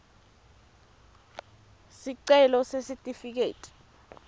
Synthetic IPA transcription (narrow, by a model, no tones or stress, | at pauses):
siǀɛlɔsesitʼifik̬eːtʼi̥